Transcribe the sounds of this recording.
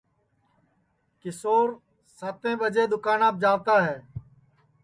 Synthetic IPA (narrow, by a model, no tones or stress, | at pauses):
kɪsoːɾ | saːt̪ẽːbəd͡ʒeːd̪ʊkaːnaːp̚d͡ʒaːʋt̪aːɦɛː